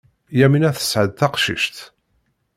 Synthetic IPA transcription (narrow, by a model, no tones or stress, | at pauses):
jæminæθə̥sʕəðθɑqʃḭʃt̪